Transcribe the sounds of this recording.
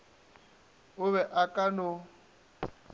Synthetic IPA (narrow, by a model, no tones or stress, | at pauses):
ʊβɛʔakʼanʊ